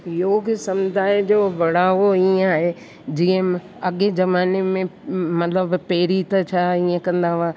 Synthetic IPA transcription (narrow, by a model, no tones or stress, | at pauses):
joːɡsɐmd̪ʱaːjd͡ʑoːʋɐɽaːʋoĩaːɦe | d͡ʑiːə̃ | ɐɠezɐmaːnemẽmɐt̪ləbpeːɾit̪ɐt͡ɕʰaːiə̃kɐ̃nd̪aʋaː